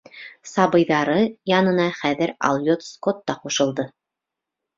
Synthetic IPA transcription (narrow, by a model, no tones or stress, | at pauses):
sɑβɤ̆jðɑɾɤjɑnɤ̆nɑχæðɘɾɑ̰lˠjot̪skot̪ːɑquʃɤ̆lˠd̪ɤ